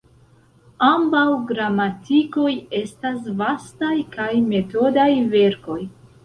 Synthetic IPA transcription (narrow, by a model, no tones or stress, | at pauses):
ambawɡɾamatiko̞je̞stas̬vastajkajme̞to̞dajve̞ɾko̞j